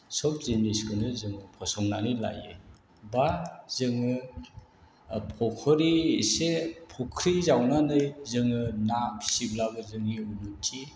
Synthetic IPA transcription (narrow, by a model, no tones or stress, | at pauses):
sɔp̚ʰziniskɯnɯzɯŋɯpʰɔsɔŋnanijla̰jḛ | bazɯŋɯ | pʰɔkʰɔɾisepʰɔkʰɾizawnanɯjzɯŋɯnabi̥siblabɯzɯŋiunutʰi